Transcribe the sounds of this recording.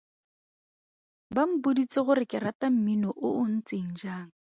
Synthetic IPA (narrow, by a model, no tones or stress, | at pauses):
bam̩bʊdit͡sʼɪɣʊɾɪkʼɛɾatam̩minɔʔʊʊn̩t͡sʼeŋ̩d͡ʒaːŋ̩